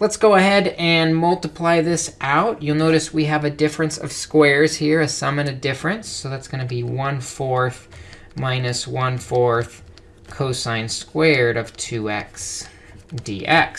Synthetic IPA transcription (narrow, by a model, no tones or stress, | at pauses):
lətsɡ̥oʊəhɛɾɨ̃nmʌlˠtəpʰl̥aɪðɪsʔaʊʔjɨlˠnoʊɾɨswiɨvɨdɪfɹɨ̃nsʌ̰v̥skwɛɹz̥hiɹɨsʌ̃mɨ̃nɨdɪfɹɨ̃nsoʊðætsɡ̥ʌnɨbiwʌ̃nfɔɹθ | mãɪ̃nɨswʌ̃nfɔɹθ | kʰoʊsãɪ̃nskwɛɹɾʌv̥tʰʉɛ̰ks | d̥ḭʔɛks